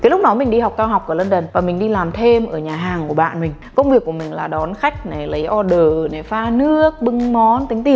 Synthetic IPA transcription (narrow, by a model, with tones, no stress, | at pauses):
kaː˨˦lʊ˦˥k͡p̚nɔ˨˦mï˨˩ŋ̟ɗi˧ha˨˩wk͡p̚kaː˧wɦa˨˩k͡pʔaː˧˩˨lə˧nɗə˨˩nvaː˨˩mï˨˩ŋ̟ɗi˧laː˨˩mt̪ʰe˧mʔəː˧˩ɲaː˨˩ɦaː˨˩ŋku˧˩əɓa̰ː˧˨nmï˨˩ŋ̟kə˧wŋ͡mvi˨˩əkːu˧˩əmï˨˩ŋ̟laː˨˩ɗɔ˨˦nxa˦˥jk̟̚na˨˩lə˨˦jʔɔ˧ɗəː˧˨˩na˨˩faː˧nɨ˦˥ək̚ɓɨ˧ŋmɔ˨˦nt̪ï˨˦ŋt̪i˨˩ə